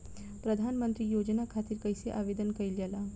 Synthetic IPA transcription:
pɾəd̪ʱanmənt̪ɾiːjod͡ʑnakʰat̪iːɾkəjseʔaʋed̪ənkəjiljɛla

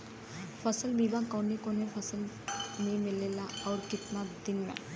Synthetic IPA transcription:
fʰəsəlbibakɔnekonepʰəsəl | memilelaɔʊɾkɪt̪nad̪inmɛ̰̃

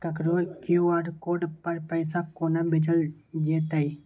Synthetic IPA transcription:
kɐkɾokjuaɖkoːɖpɐɾpəɪsakoːnabɪd͡ʒəld͡ʒeːt̪aj

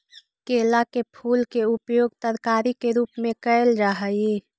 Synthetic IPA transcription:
keːlakepʰuːlkeʊpjoːɡ̚t̪əɾkaːɾikeɾuːpmẽkəeld͡ʒaːɦəje

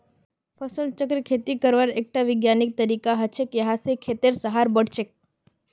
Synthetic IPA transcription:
pʰəsəlt͡ʃəkɾkʰet̪ikəɾʋaɾek̚ʈaʋɪɡjanik̚t̪əɾikaɦət͡ʃʰekjəɦasekʰet̪eɾsəɦaɾbəɽ̤t͡ʃek̚

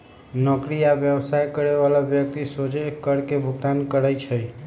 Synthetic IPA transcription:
nɔkɾiaʋjəʋsajkəɾeʋalabjək̚t̪isod͡ʒekəɾkebʱuɡ̚t̪ankəɾəjt͡ʃʰəj

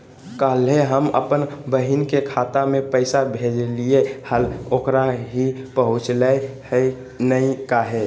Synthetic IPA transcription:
kalɦeɦəmə̰pənbəɦinkekʰaːt̪amẽpəɪsabʱed͡ʒliehəloːkɾaɦipəɦʊ̃t͡ʃləhə | nəĩkaɦe

